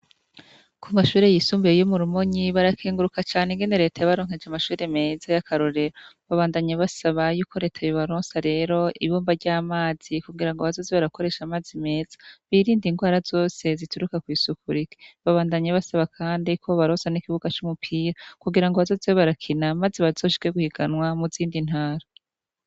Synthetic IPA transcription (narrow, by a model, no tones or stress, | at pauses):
kʰumaʃuːɾe̞jisuːmbujejomuɾumo̞ɲiβaɾakʰiːŋɡuɾukat͡ʃaːneŋɡene̞ɾe̞ːtajaβaɾoːŋ̥he̞d͡ʒamaʃuːɾe̞me̞zajakʰaɾo̞ɾe̞ɾoβaβaːndaɲaβasaβajuːko̞ɾe̞ːtʰajoβaɾoːnsaɾe̞ːɾo̞iβoːmbaɾɟaːmaːz̥ikuɡiɾaŋɡoβazo̞ːzeβaɾako̞ɾe̞ʃamaːzime̞ːz̥ḁβiɾiːndiŋɡwaːɾazo̞ːse̞zituɾukakwiːsukuɾike̥βaβaːndaɲeβasaβakʰaːndikʰo̞βaɾoːsanikiβuɡat͡ʃumupʰiːɾakuɡiɾaŋɡoβazo̞zewoβaɾakʰinamazeβaz̥o̞ːʃi̥keɡuhiɡ̥anwamuziːndin̥haːɾa